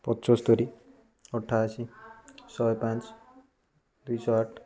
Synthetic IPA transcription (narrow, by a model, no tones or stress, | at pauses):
pʌt̪ːsɔst̪ʌɾi | ʌʈʰːasisʌjpãnt͡s | d̪ujsʌaʈʰ